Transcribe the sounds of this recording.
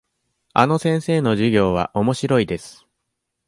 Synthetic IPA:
a̰no̞sẽ̞ɰ̃se̞ːno̞ʑiɡʲo̞ːβ̞a̰ʔo̞mo̞ɕiɾo̞id̪e̞sɨ̥

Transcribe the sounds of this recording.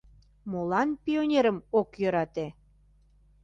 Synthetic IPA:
molɑnpʲionʲeɾəmokjøɾɑt̪e

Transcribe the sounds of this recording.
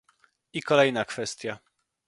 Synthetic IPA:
ikɔlɛjnakfɛst̪ʲja

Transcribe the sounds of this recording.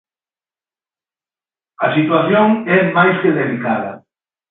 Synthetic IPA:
ɐsit̪waθjoŋɛmajskeðelikaðɐ̰

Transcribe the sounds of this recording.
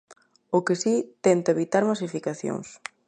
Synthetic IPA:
ʊkɪsit̪ɛnt̪ɐeβit̪aɾmasifikaθjo̰ŋs

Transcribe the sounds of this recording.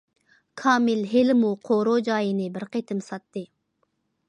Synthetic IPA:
kʰɑːmɪlɦelɪmuqʰoɾod͡ʒɑːjinɨbɪɾqet̪ʰɪmsɑt̪ːɨ

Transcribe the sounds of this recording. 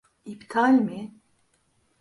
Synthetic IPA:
ipt̪ʰalmi

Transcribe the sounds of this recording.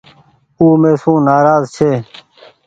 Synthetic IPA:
uːmẽːsũːnaːɾaːzt͡ʃʰeː

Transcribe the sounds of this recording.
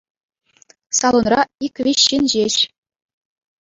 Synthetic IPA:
sɑlˠonrɑikʲʋʲiɕːinʑeɕ

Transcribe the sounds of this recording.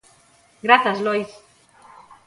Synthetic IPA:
ɡɾaθazlojs

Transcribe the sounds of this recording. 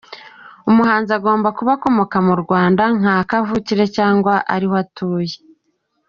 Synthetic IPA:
umuɦaːnziaɡo̞ːmbakuβako̞mo̞kamuɾɡwaːndaŋ̥aːkavuciɾe̞caːŋɡwaʔa̰ɾihoatuːje

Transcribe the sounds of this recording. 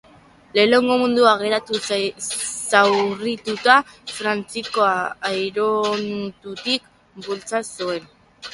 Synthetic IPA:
le̞ːle̞ŋɡo̞mund̪uaɣ̞e̞ɾat̪u | sawrit̪ut̪afɾant͡siko̞aːjɾont̪ut̪ik̚ | bult͡sasue̞n

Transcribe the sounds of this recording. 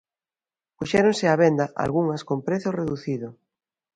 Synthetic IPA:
puʃɛɾonsɪaβ̞end̪aʔa̰lɣuŋɐskompɾeθjoreðuθiðo

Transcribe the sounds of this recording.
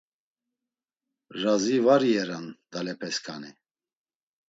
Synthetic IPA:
ʒazivaɾiɛɾand̪̥alɛpʰɛskʰani

